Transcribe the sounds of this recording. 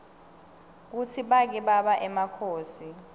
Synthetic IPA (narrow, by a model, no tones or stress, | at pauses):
k̬ut͡sʰiɓak̬ɛɓaɓaʔɛmakʰoːsi